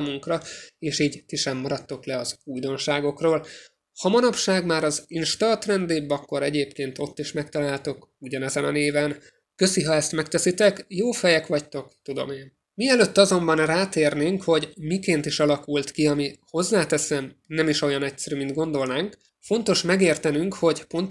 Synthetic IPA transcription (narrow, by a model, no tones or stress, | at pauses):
aːmuŋkrɒeːʃiːɟt̪iʃɛmːɒɾɒt̪ːo̞klɛɒzuːjd̪o̞nʃaːɡo̞kroːl | hɒmɒnɒpʃaːɡmaːɾɒzinʃt̪ɒrt̪rɛnd̪eːbɒkːo̞ɾɛɟeːpkeːnt̪o̞t̪ːiʃmɛkt̪ɒlaːlt̪o̞k | uɟɒnɛzɛnɒ̰neːvɛn | kø̞siɦɒɛst̪mɛkt̪ɛsit̪ɛkjoːfɛjɛkʋɒct̪o̞kt̪ud̪o̞̰meːn | miɛløt̪ːɒzo̞mbɒnraːt̪eːrneːŋkho̞ɟmikeːnt̪iʃɒlɒkult̪kiɒmiho̞zːaːt̪ɛsɛmnɛmiʃo̞jɒnɛctsɛɾymind̪̚ɡo̞nd̪o̞lnaːŋk | fo̞nt̪o̞ʃmɛɡeːrt̪ɛnyŋkho̞ɟpo̞nt̪